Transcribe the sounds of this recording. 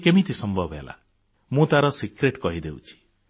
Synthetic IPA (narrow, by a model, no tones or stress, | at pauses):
kemit̪isɔmbʱɔbʱḛla̰ | mũt̪aɾɔsikɾeʈkɔɦid̪ewt͡ʃʰi̥